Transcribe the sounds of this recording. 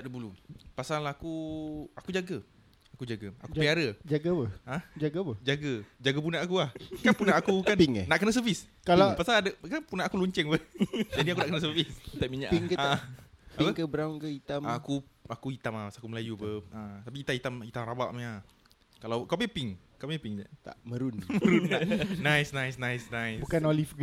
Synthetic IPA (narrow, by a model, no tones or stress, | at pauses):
aʔdəbulupasalakuakud͡ʒaɡə | akud͡ʒaɡəa̰kupiaɾəd͡ʒaɡapəãd͡ʒaɡapəd͡ʒaɡəd͡ʒaɡəp̬unaakuahkanpunaakukanpiŋnaʔkənas̬əviskalapasaladəkanpunaakuluɲt͡ʃɛŋpəd͡ʒadiakunaʔkənas̬əvist̪aʔmiɲaʔpiŋkəapipəŋkəbəɾawnkəit̪amːkuakuit̪amahasakuməlajupəat̪apiːt̪ait̪amit̪amrabaʔma | kalawkappiŋkappiŋd͡ʒa̰t̪a̰ʔməɾunməɾunːanãjsnãjsnajsnãjsbukanolifɡ